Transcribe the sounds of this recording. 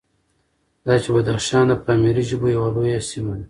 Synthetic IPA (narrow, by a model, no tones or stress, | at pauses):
d̪aːt͡ʃebad̪aχʃɑːnd̪ɐpaːmiɾiʒubujawaloːjasimad̪a